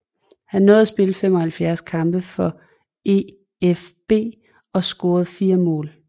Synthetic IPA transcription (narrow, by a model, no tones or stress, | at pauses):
hænːɔ̽ːðˠæsb̥e̝ləfem̰ɒ̽hælfjæɐskʰɑ̈mb̥əfɒ̽ | e̝ | efb̥e̝̰ː | ɒ̽sɡ̥o̝ːɐð̞̩ˠfiːɐmɔ̰ːl